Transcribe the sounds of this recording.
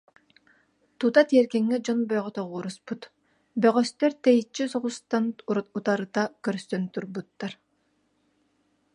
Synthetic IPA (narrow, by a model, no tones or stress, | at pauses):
t̪ut̪at̪iɛɾkɛŋːɛd͡ʒɔnbœjʁɔt̪ɔʁuːɾusput̪ | bœʁœst̪œɾt̪ɛjit͡ʃːysɔʁust̪anuɾut̪aɾɯt̪akœɾsœnt̪uɾbut̪ːaɾ